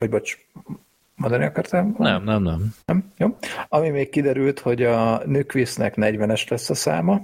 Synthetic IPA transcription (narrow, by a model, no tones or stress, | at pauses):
ɒɟbɒt͡ʃ | mɒnd̪ɒniɒkɒrt̪aːonɛmnɛmnɛmnɛmjoːɒmimeːkkid̪ɛɾylt̪ho̞ɟɒnøːkʋiːsnɛknɛɟʋɛnɛʃlɛsːɒsa̰ːmɒ